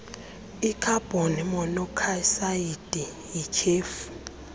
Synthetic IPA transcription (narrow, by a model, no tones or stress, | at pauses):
ikʰab̥ʱonimɔnɔkʰasaid̥ʼi | jit͡ʃʰeːfu̥